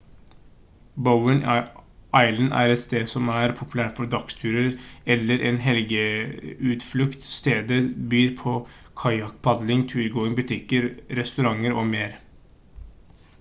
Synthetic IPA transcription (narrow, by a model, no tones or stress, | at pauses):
bəʊəɳ | ɑɪlənʔæ̰ːɾɛt̪st̪eːd̪sɔmæːɾpʰʊpʰʉlæːʈfɔɾɖ̪ɑkst̪ʰʉːɾəɾɛlːəɾʔeːnɦɛlɡəʉːt̪flʉkt̪st̪eːd̪əbyːɾpʰoː | kʰɑɪɑk̚pʰɑd̪lɪŋt̪ʰʉːlɡoːɪŋbʉt̪ʰɪkəɾɾɛst̪ʉɾɑŋəɾoːmeːɾ